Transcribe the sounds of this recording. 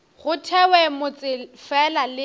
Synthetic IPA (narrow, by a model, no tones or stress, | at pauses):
ɣʊtʰɛwɛmʊt͡sʼɪfɛlalɪ